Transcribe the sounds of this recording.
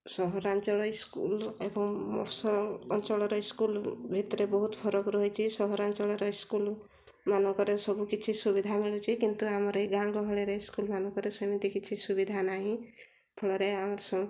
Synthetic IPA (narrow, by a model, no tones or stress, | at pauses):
sɔɦɔɾant͡ʃɔɭɔiskṵlebɔŋmɔ̰pʰsɔɔnt͡ʃɔɭɔɾɔiskulbʱit̪ɔɾebɔɦut̪pʰɔɾɔkɾɔɦit͡ʃʰisɔɦɔɾant͡ʃɔɭɔɾɔiskul | manɔŋkɔɾesɔbukit͡ʃʰisubid̪ʱamiɭut͡ʃʰikint̪uamɔɾjɡãŋɡɔɦɔɭeɾɔiskulmanɔ̃ŋkɔɾesɔmit̪ikit͡ʃʰisubid̪ʱanaɦĩ | pʰɔɭɔɾeamɔɾsɔ